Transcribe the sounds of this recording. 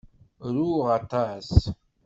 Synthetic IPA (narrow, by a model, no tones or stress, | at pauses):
ɾuʁat̪ɑs